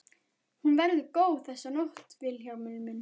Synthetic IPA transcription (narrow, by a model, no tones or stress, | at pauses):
hunvɛɾðʏkoːwθɛsːanoht̪vɪlçawmʏlmʏn